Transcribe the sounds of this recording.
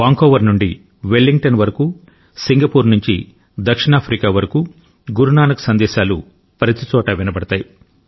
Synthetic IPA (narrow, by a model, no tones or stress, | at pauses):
ʋaːŋkɔːʋɐɾnuɳɖi | ʋelːiŋɡʈɐnʋɐɾɐku | siŋɡɐpuːɾnuɲt͡ʃḭ | d̪ɐkʂinaːpʰɾiːkaːʋɐɾɐku | ɡuɾunaːnɐku̥sɐnd̪ɛːʃaːlu | pɾɐt̪it͡ʃɔːʈɐʋinɐbɐɽɐt̪aːji